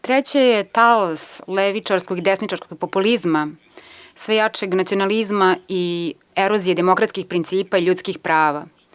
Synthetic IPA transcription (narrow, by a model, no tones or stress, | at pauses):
t̪ɾet͡ɕejet̪alasleʋit͡ʂaɾsko̞ɡid̪esnit͡ʂaɾskoɡ̚po̞pulizma | sʋejat͡ʂe̞ɡnat̪sijo̞nalizmai | eɾozijed̪emo̞kɾat̪skixpɾint̪siːpaiʎut̪skixpɾaːʋa̰